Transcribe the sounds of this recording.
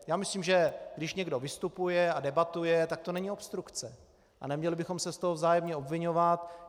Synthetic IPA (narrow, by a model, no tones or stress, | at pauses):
jaːmɪsliːmʒɛɡdɪʃɲɛɡdo̞vɪst̪upujɛadɛbat̪ujɛt̪ak̚t̪o̞nɛɲɪopst̪ɾukt͡sɛ | ʔa̰nɛmɲɛlɪbɪxo̞msɛst̪o̞ɦovzaːjɛmɲɛo̞bvɪɲo̞vat̪